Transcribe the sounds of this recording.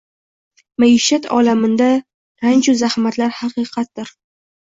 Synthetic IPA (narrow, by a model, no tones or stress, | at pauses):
maɪʃat̪ʰɒ̰lamɪnd̪a | ɾant͡ʃʰʊzahmat̪laɾhɑqɨjqʰɑt̪̚d̪ɪɾ